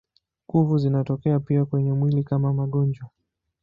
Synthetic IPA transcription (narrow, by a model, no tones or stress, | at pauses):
kuvuzinatɔkɛapiakwɛɲɛmwilikamamaɠɔɲd͡ʒwa